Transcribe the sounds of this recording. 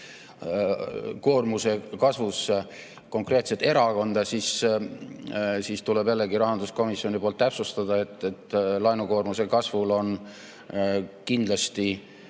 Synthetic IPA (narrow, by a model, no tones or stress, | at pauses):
ko̞ːrmuse̞kɑsvus | ko̞ŋkre̞ːt̪set̪e̞ɾɑko̞nd̪̥ɑsis | siːst̪ulebjælːeɡiɾɑɦɑnd̪̥usko̞misːio̞nipoːlt̪ːæpsust̪ɑd̪̥ɑet̪ˑːet̪ːlɑjnuko̞ːrmuse̞kɑsvulo̞n | kind̪lɑst̪i